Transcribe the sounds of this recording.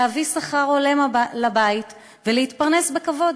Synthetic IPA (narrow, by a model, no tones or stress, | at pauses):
avisaχaʁo̞le̞mlabait | veleitpaʁnesbekavo̞d